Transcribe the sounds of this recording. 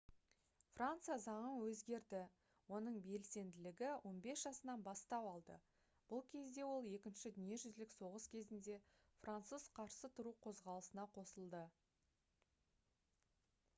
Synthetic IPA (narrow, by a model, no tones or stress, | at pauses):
frant̪sɨjazɑɴənwɵzɡʲe̞ɾd̪ɪ | wo̞nəɴbe̞lse̞nd̪ɪlɪɡʲɪwʔo̞nbe̞sʒ̥ɑsənɑnbɑst̪ɑpɑlˠd̪ə̰ | b̥ʊlˠkʲʰe̞zd̪e̞wo̞lˠje̞kʲɪnʃɪd̪ʏnije̞ʒʏzlɪkso̞ʁəskʲʰe̞zɪnd̪e̞ | frant̪suzqʰɑɾsət̪ʰʊɾuqʰo̞zʁɑlˠəsənɑqʰo̞səlˠd̪ə